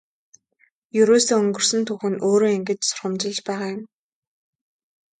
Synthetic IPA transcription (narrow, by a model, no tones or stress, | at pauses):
jɵɾoːsoːɵŋɡɵ̆r̥sɵ̆nt̪ʰuːxɘ̆noːɾoːiŋɡɘ̆t͡ɕsʊ̥rχə̆mt͡ɕɪ̆ɮt͡ɕpæːʁaːjʊm